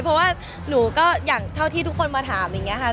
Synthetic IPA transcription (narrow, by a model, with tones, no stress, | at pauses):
pʰɔ˦˥waː˥˩ | nuː˩˦kɔː˥˩jaː˨˩ŋt̪ʰa˥˩wt̪ʰiː˥˩t̪u˦˥kʰːo˧nmaː˧t̪ʰaː˩˦mja˨˩ŋːi˦˥ɐ˧kʰa˦˥˩